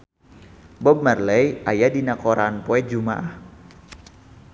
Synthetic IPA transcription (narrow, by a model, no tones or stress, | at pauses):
bɔb̚marlɛjʔajadinakoɾanpoɛd͡ʒumaʔah